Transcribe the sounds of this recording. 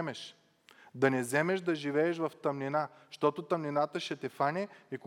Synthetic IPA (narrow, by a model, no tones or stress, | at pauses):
mɛʃ | d̪ɐnɛzɛmɛʃd̪ɐʒivɛːʃvɐft̪ɐmnina | ʃt̪ɔt̪ot̪ɐmninat̪əʃɛt̪ɛfanʲɛik